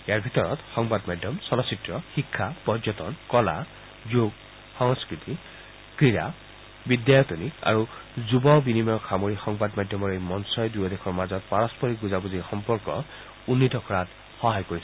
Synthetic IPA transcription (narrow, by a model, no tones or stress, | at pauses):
ejaɹbʱit̪ɔɹɔtxɔŋbadmajdʱjɔmsɔlɔsitɹɔxikʰːapɔzɔtɔnkɔla̰ | zuɡ | xɔŋskɹit̪i | kɹiɹa̰ | bidjajɔt̪unika̰ɹuzubɔbinimɔɔkʰamoɹixɔŋbadmajdʱjɔmɔɹejmɔnsɔjdujɔdekʰɔɹmazɔt̚paɹɔspɔɹiɡuzabuziɹxɔmpɔɹkɔ | unːitɔkʰɔɹat | xɔɦajkoɹis